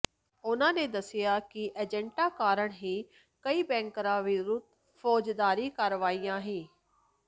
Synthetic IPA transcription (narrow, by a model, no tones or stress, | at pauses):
ʊnãːneːd̪əsɪjaːkɪʔeːd͡ʒɛ̃ɳʈaːkaːɾəɳɦiː | kəiːbɛ̃ːŋkɾãːʋɪɾuːt̪ | fʰɔːd͡ʒd̪aːɾiːkəɾʋaːijãːɦiː